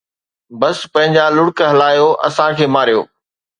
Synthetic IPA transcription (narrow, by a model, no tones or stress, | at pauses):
bɐspɐ̃ɦɪ̃ɲd͡ʑalʊɽkɦɐlaːjoʔɐ̰sãkʰeːmaːɾijo̰ː